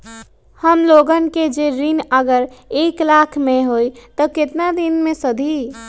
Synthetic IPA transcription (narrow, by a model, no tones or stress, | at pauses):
həmloɡənked͡ʒeɾinəɡəɾeːklakʰmẽɦoit̪əkɪt̪nad̪inmẽsəd̪ʱi